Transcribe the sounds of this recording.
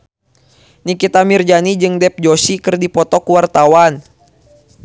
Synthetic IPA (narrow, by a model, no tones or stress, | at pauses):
nikit̪amird͡ʒanid͡ʒɨŋdɛp̚d͡ʒɔsikɨrdipɔt̪ɔkuwart̪awan